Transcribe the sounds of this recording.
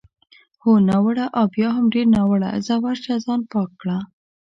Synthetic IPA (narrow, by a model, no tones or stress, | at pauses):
honawəɽaʔabjɑɦamɖeɾnawəɽa̰zawaɾt͡ʃazɑnpɑkːɽa